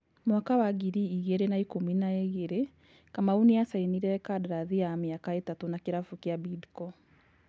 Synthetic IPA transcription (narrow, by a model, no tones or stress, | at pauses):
mwakawaɣiɾiiɣeɾenaikominaeɣeɾe | kamaunijasainiɾɛkadaɾaðiamiakaetatonakeɾafukiabidkɔ